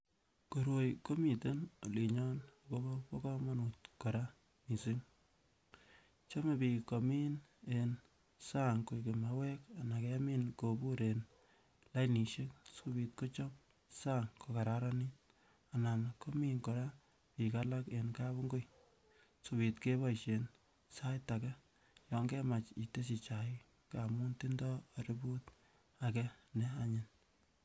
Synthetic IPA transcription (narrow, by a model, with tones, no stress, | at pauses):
ko˨ɾo˨jko˦mi˨te˦no̰˨li˨ɲɔ˦nko˦bo˦po˦kɔ˦mɔ˦nu˨tkɔ˨ɾa | ni˨si˦ŋ | t͡ʃa˦me˨bi˨ko˨miː˦n | en | sa˦ŋko˨ke˨ma˨wɛ˦ka˨na˨ke˦miː˦nkobu˦ɾe˨n | la˦jni˨ʃe˦k̚subiː˨t̚ko˦t͡ʃɔ˦m | sa˦ŋko˨ka˨ɾaɾa˦ni˦t̚ | a˨na˨m˨ko˦mi˦ŋko˨ɾa˦ | pi˨ka˦la˦ke˨nka˦βu˦ŋɡo˦j | su˨bi˨tke˦bɔ˦iʃen | sa˦jta˨kɛ˦ | jɔ˨ŋɡɛ˦ma˨t͡ʃi˨te˦s̬i˨t͡ʃa˨ɪ˦ | ka˨mu˦nti˦ndɔ˦˨ɾi˦bu˦t | a˨kɛ˦nɛ˦a˦ɲɪn